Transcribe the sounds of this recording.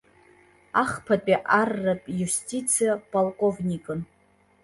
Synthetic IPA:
aχpʰapʼiʔarːapʼjustʰʲʼit͡sʰijapʼalkʼo̞vnʲikʼɨn

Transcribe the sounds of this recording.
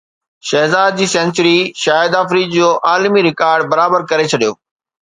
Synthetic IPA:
ʃɐɦzaːd̪̚d͡ʑiːsɛ̃ːnt͡ɕəɾiʃaːɪd̪aːfɾiːd͡ʑd͡ʑoːʔaːlmiɾɪkaːɾɖbɐɾaːbəɾkɐɾet͡ɕʰɐɗijo̰ː

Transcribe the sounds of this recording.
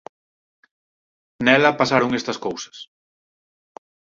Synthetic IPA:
nɛlɐpasaɾoŋest̪ɐskowsɐ̥s

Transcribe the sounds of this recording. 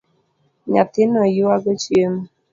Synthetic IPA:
ɲat̪ɪnɔjʊwaɡɔt͡ʃjem

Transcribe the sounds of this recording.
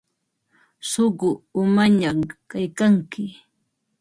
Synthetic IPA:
soɢʊʊmaɲamkajkaŋkɪ

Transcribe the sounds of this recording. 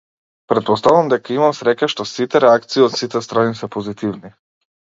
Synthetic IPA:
pɾɛt̪̚pɔst̪avamd̪ɛkaimamsɾɛcaʃt̪ɔsit̪ɛɾɛakt̪siːot̪sit̪ɛst̪ɾanisɛpozit̪ivni

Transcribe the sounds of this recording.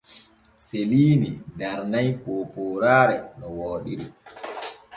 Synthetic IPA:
seliːnidaɾnajpoːpoːɾaːɾɛnɔwɔːɗiɾḭ

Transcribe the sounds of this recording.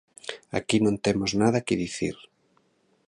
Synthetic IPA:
a̰kinõnt̪emoznað̞ɐkɪðiθḭɾ

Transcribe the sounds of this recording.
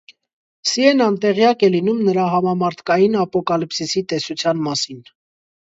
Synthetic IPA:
siɛnɑnt̪ɛʁjɑkɛlinumnəɾɑɦɑmɑmɑɾt̪ʰkɑjinɑpɔkɑlipsisit̪ɛsut͡sʰjɑnmɑsin

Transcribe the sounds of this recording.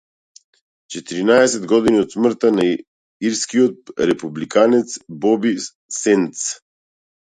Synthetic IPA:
t͡ʃɛt̪iɾinaɛsɛd̪ɡɔd̪iniɔt̪smr̩t̪ana | iɾskiɔt̪̚ɾɛpublikʰanɛt̪sbɔbi | sɛnt̪s

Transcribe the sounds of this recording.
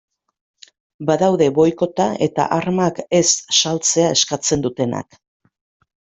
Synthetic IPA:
baðawðe̞βo̞jko̞t̪ae̞t̪a̰ʔaɾmake̞sːalt͡se̞ae̞skat͡se̞nd̪ut̪e̞na̰k

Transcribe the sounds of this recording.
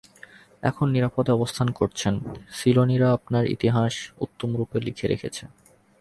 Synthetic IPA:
ɛ̰kʰonːiɾapod̪ɔbost̪ʰankoɾt͡ɕʰensiloniɾaapnaɾḭt̪iɦaʃut̪ːomɾupelḭkʰeɾḛkʰet͡ɕʰe

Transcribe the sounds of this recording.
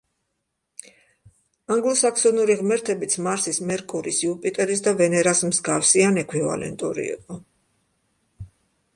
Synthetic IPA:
aŋɡlˠɔsaksɔnuɾiʁmɛɾt̪ʰɛbit̪sʰmaɾsismɛɾkʼuɾisjupʼit̪ʼɛɾis̬d̪avɛnɛɾasmzɡafsianɛkʰwiva̰lɛ̰nt̪ʼuɾḭḭqʼɔ

